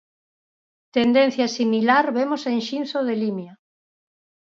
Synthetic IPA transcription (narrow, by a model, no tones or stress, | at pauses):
t̪end̪en̟θjasimilaɾβemosenʃinθoð̞elimja